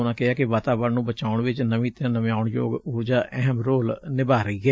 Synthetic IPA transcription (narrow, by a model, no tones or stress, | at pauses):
ʊnãːkɪaːkɪʋaːt̪aːʋəɾnũːbət͡ʃaːʊɳʋɪt͡ʃnəʋĩːt̪ãːnəmjaːʊɳjo̰ːɡʊɾd͡ʒaːʔɛɦəmɾoːlnɪbaːɾəiːɦɛː